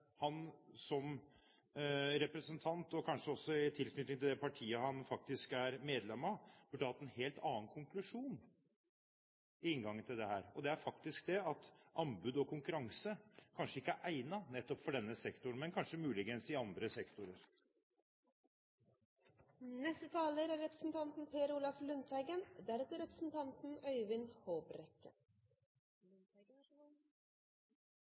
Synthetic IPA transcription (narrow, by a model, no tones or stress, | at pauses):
hɑnsɔm | ɾɛpɾəsənt̪ʰɑnt̪ɔkʰɑnʂəɔsːɔɪt̪ʰɪlknʏt̪ɪŋt̪ɪld̪ɛpʰɑʈʰiːəhɑnfɑk̚t̪ɪskæɾmeːd̪lɛmɑb̥ʉɖːəhɑt̪ːɛnheːlt̪ʰɑːnkʰʊŋklʉʂuːn | ɪɪŋɡɑŋːənt̪ʰɪld̪ɛhæːɾɔd̪ɛæɾfɑkt̪ɪskd̪ɛɑt̪ʔɑmbʉːd̪ɔkʰʊŋkʉɾɑŋsəkʰɑnʂəɪkːəæɾʔæɪnɑnɛt̪ːɔpfɔɖɛnːəsɛkt̪ʊnmɛnkʰɑnʂəmʉːlɪɡənsɪɑnd̪ɾəsɛkt̪ʊɾəɾ | nɛst̪ət̪ʰɑːləɾæɾɛpɾəsn̩t̪ʰɑnt̪n̩pʰeːɾuːlɑflʉnt̪ʰæɪɡənd̪æɾɛt̪əɾɛpɾəsn̩t̪ʰɑnt̪n̩œʏʋɪnhoːbɾɛkːə̰